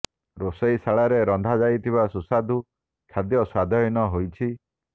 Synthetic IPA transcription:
ɾosejsaɭaɾeɾɔnd̪ʱad͡ʒajt̪ʰiβasusad̪ʱu | kʰad̪jɔswad̪ʱɔinɔɦojt͡ʃʰi

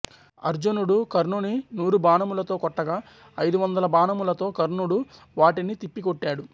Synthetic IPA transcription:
ɐ̰ɾd͡ʒunuɽukɐɾnuninuːɾubaːnɐmulɐt̪o̞ːkɔʈːɐɡaː | ɐjd̪uʋɐnd̪ɐlɐbaːnɐmulɐt̪o̞ːkɐɾnuɽu | ʋaːʈinit̪ipːikoʈːaːɽu

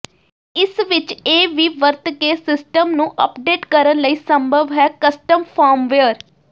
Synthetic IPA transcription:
ɪsʋɪt͡ʃeːʋiːʋəɾt̪keːsɪsʈəmnũːʔə̰pɖeːʈkəɾənləiːsəmbʱəʋɦɛːkəsʈəmpʰaːɾmʋeəɾ

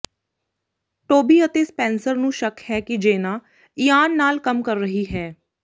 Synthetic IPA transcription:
ʈoːbiːət̪eːspɛ̃ːnsəɾnũːʃəkhɛːkid͡ʒeːnaː | iːaːnːaːlkəmkəɾːəɦiːɦɛː

